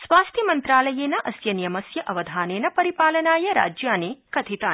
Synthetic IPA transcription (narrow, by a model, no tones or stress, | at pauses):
sʋaːst̪ʰjɐmɐnt̪ɾaːlɐjeːnɐʔɐsjɐnijɐmɐsjɐʔɐʋɐd̪ʱaːneːnɐpɐɾipaːlɐnaːjɐɾa̰ːd͡ʒjaːneːkɐt̪ʰit̪aː